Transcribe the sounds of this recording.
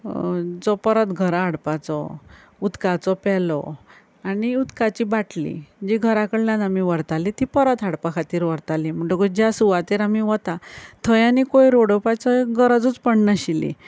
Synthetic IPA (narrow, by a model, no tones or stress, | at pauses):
d͡zɔpəɾət̪ɡʱəɾaaɽpat͡sɔ̰ | ut̪kat͡sɔpɛlɔ̰ | aniut̪kat͡ɕibaʈlḭd͡ʑiɡʱəɾakəɽljãnamiʋəɾt̪alit̪ipəɾət̪aɽpakʰat̪iːɾʋəɾt̪alim̤əɳʈokud͡ʑjasuʋat̪eɾamiʋət̪at̪ʰəjanikojɾoɽopat͡səɡəɾəd͡zut͡spəɳnaɕilḭ